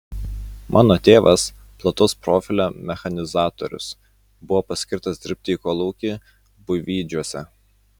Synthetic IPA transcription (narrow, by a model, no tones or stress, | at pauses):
mʔɑːnoːt̪ʲeːʋɐs | plˠɐt̪ʊspɾoːfʲɪlʲomʲɛxɐnʲɪzɑːt̪oːɾʲʊ̰s | bʊʋoːpɐsʲkʲɪɾt̪ɐsʲd̪ʲɪɾʲpʲt̪ʲiːkoːlˠuːkʲi | bʊʋʲiːd͡ʒʲuɔsʲɛ